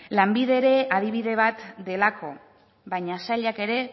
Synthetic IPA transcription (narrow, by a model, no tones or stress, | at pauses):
lambiðe̞ːɾe̞aðiβ̞iðe̞β̞at̪d̪e̞lakʰo̞̰ | βaɲasaʎake̞ɾe̞